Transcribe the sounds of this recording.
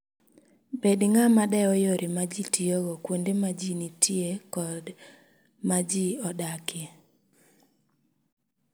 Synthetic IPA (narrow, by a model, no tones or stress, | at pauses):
bedŋamadɛɔjoɾʔimad͡ʒitioɡɔkwondemad͡ʒinitʰjekɔd | mad͡ʒiɔdake